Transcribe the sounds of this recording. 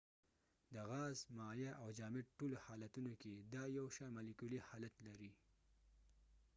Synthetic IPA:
d̪əɣɑzmɑjaʔawd͡ʒɑmɪɖʈolohɑlat̪unoked̪ɑjawʃɑmalɪkulihɑlat̪laɾi

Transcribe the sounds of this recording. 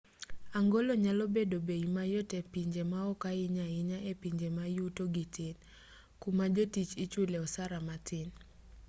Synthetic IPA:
aŋɡoloɲalɔbedobeimajotɛpiɲd͡ʒemaɔkaɪɲaɪɲaepiɲd͡ʒemajutoɡitɪn | kumad͡ʒotit͡ʃit͡ʃuleɔsaɾamatɪn

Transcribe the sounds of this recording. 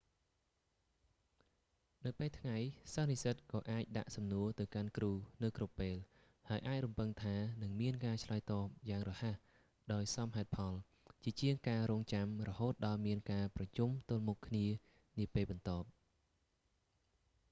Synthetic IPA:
nɨwpeːlt̪ʰŋajsanisət̪̚kɑːʔaːc̚ɗa̰ʔsɑmnuət̪ɨwkankruːnɨwkrupːeːl | haəjʔaːc̚rumpɨŋt̪ʰaːnɨŋmiənkaːt͡ɕʰlaət̪ɑːp̚jaːŋrɔhah | ɗaɔjsɑmɦaɛt̪̚pʰɑl | t͡ɕiət͡ɕiəŋkaːɾoːŋt͡ɕamrɔhoːt̪̚ɗɑlmiənkaːprɑt͡ɕumt̪ʊ̆əlmukʰːniə | niəpeːlɓɑnt̪oəp̚

